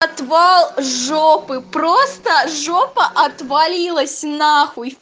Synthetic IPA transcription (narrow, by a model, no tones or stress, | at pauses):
ɐt̪valˠʐopɨpɾost̪əʐopəʔɐt̪valʲilˠəsʲnaxʊ